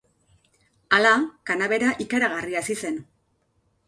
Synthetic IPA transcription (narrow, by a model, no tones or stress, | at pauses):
alakanaβe̞ɾaʔikaɾaɣ̞ariasise̞n